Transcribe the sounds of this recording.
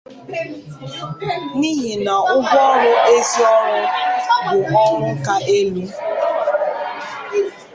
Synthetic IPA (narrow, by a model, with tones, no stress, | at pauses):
nĩ˦ɦĩ˨na˨ʊ˦bɔ˦ɾʊ˦ʔe˦zi˦ɔ˦ɾ̃ʊ̃˦˨bʊ˨ɔ˦ɾʊ̃˦ka˦ʔe˦lu˦